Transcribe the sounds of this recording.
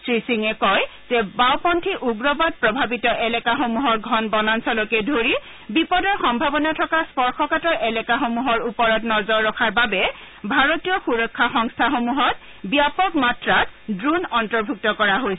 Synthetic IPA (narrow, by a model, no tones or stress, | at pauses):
sɹisiŋɛkɔjzɛbawpɔntʰiʔuɡɹɔbad̚pɹɔbʱabitɔʔɛlɛkaxomuɦɔɹɡʱɔnbɔnansɔlɔkɛdʱoɹi | bipɔdɔɹxɔmbʱabɔnatʰɔkaspɔɹxʰɔkatɔɹʔɛlɛkaxomuɦɔɹupɔɹɔtnɔzɔɹːɔkʰaɹbabɛ | bʱaɹotijɔxuɹɔkʰːaxɔŋstʰaxomuɦɔt | biapɔkmatɹatdɹunɔntɔɹbʱuk̚tɔkɔɹaɦojsɛ